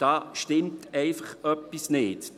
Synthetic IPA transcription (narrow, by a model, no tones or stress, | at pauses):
d̥ɑːʃtɪmtɛɪfəχœpːisnɪːt